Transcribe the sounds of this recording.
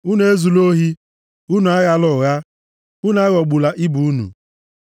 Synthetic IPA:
u˦n˦e˦zu˨lo˦ɦi˦ | u˦nu˨a˦ɣa˨˦lʊ˨ɣa˦ | u˦n˨˦a˦ɣɔ˨ɡ͡bu˨la˨ʔi˦bu˨˦nṵ˨

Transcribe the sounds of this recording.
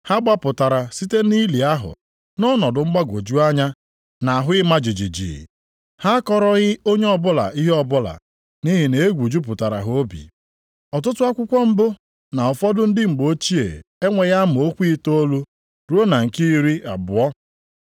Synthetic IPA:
ha˦ɡ͡ba˦pʊ˨ta˨ɾa˨si˦te˦ni˦li˨a˦ɦʊ̰˨ | nɔ˦nɔ˨dʊ˨ŋ͡m̩˦ɡ͡ba˦ɡo˨d͡ʒu˦a˦ɲa˦ | na˨ɦʊ˦ɪ˦ma˦d͡ʒi˨d͡ʒi˨d͡ʒḭ˨ | ha˦kɔ˦ɾɔ˦ɣɪ˦o˦ɲe˦ɔ˦bʊ˦la̰˨i˦ɦe˦ɔ˦˨bʊ˦la̰˨ | ni˦ɦɪ˨ne˨e˦ɡʷu˨d͡ʒu˦p̬ʊ˨ta˨ɾa̰˨ɦo˦bḭ˨ | ɔ˨t̬ʊ˦tʊ˦a˦kʷʊ˦kʷɔ˦m̩˦bʊ˦ | na˨ɔ˨fɔ˦dʊ˦n̩˦dɪ˦ŋ͡m̩˨ɡ͡bo˦t͡ʃi˦ḛ˨e˦ŋʷe˨ɣa˦mʊ˨o˦kʷi˦to˦lu˦ | ɾu˦o˦na˨ŋ̩˨ki˦ɾi˦a̰˨bʊ˨ɔ˦

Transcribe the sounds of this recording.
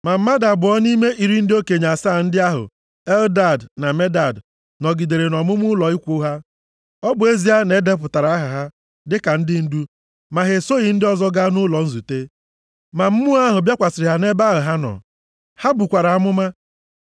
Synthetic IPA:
ma˨m̩˦ma˦da˨bʊ˨ɔ˦ni˦me˦ʔi˨ɾi˨n̩˦dɪ˦o˦ke˨ɲa˨saː˦˨n̩˦dɪ˦a˦ɦʊ̰˨ | ɛ˦lda˨dna˨me˦da˨d | nɔ˨ɡi˨de˨ɾe˨nɔ˨mʊ˦mʊ˦lɔ˨i˦kʷo˦ɦa˦ | ɔ˦bʊ˨e˦zi˦ɦa˦ne˦de˦p̬ʊ˨ta˨ɾa˨˦a˦ɦa˨ɦa˦ | dɪ˦ka˨n̩˦dɪ˦n̩˦du˦ | ma˨ɦe˨so˦i˨n̩˦dɪ˦ɔ˦zɔ˦ɡa˦nʊ˦lɔ˨n̩˦zu˨te˦ | ma˨m̩˦mʊ˦a˦ɦʊ˨bja˦kʷa˨sɪ˨ɾɪ˨ɦa˨ne˦ba˦ɦʊ˨ɦa˦nɔ̰˨ | ha˦bu˨kʷa˨ɾa˨a˦mʊ˦ma˦

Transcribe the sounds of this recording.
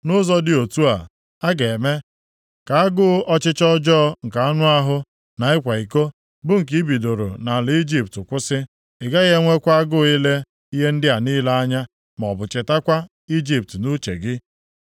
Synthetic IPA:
nʊ˦zɔ˦dɪ˦o˨tu˦a˨ | a˦ɡe˨me˦ | ka˨a˦ɡʊ˦ʔɔ˦t͡ʃɪ˦t͡ʃɔ˦d͡ʒɔ˦ŋ̩˨ka˨a˦nʊ˦a˦ɦʊ˦ | na˨ɪ˦kʷa˨i˨ko˦ | bʊ˦ŋ̩˨k̬i˦i˦bi˨do˨ɾo̰˨na˨lɪ˨i˦d͡ʒi˦p̚tʊ˨kʷʊ˦sɪ˦ | ɪ˨ɡa˦ɣe˦ŋʷe˦kʷa˦a˦ɡʊ˦i˦le˦ | i˦ɦe˦n̩˦dɪ˦a˨ni˦la˦a˦ɲa˦ | m˨ɔ˨bʊ˨t͡ʃɪ˨ta˦kʷa˦ | i˦d͡ʒi˦p̚tnʊ˦t͡ʃe˨ɡɪ˦

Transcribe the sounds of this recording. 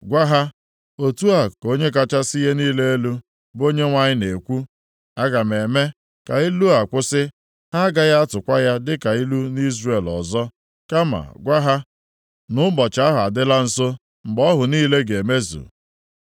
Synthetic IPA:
ɡʷa˦ɦa˦ | o˨tu˦a˨ko˦ɲe˦k̬a˦t͡ʃa˦sɪ˦je˦niː˦le˦e˦lu˦ | bo˦ɲe˦ŋʷa˦ɲɪ˦ne˨kʷu˦ | a˦ɡa˨m̩˨e˨me˦ | ka̰˨i˦lu˦a˨kʷʊ˦sɪ˦ | ha˦ɡa˦ja˦a˦tʊ˨kʷa˦ja˦dɪ˦ka˨i˦lu˦ni˦zre˨lɔ̰˨zɔ˦ | ka˦ma̰˨ɡʷa˦ɦa˦ | nʊ˦bɔ˨t͡ʃa˨˦a˦ɦʊ˨a˨dɪ˦la˦n̩˨so˦ | ŋ͡m̩˨ɡ͡bɔ˦ɦʊ˨niː˦le˦ɡe˨me˦zṵ˨

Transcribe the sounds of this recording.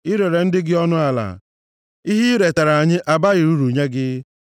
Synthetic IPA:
ɪ˦ɾe˨ɾe˨n̩˦dɪ˦ɡɪ˦ɔ˦nʊ˦a˨la̰˨ | i˦ɦi˦ɾe˨ta˨ɾa˨ɲɪ˦ʔa˨ba˦ɣɪ˨ɾu˦ɾu˨ɲe˦ɡɪ˦

